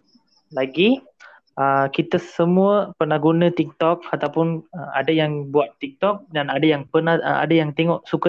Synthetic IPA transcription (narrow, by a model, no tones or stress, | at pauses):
laɡi | ʔəkit̪əsəmuəpərnahɦɡunə̃t̪ik̚t̪ɔk̚at̪awpʊnəma̰dajaŋbuat̪ːik̚t̪ɔk̚danadajaŋpərnaha̰dajaŋt̪eŋɔʔsukə